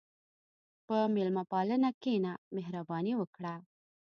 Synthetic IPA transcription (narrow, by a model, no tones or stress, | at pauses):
pəmɪlmapɑlənakenameɦɾabɑniwəkɽa